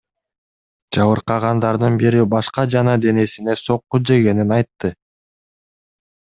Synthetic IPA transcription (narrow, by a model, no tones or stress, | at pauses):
d͡ʒɑβɯɾqɑʁɑnd̪ɑɾd̪ɯnbiɾibɑʃqɑd͡ʒɑnɑd̪e̞ne̞sine̞so̞qːud͡ʒe̞ɡe̞ninɑjt̪ːɯ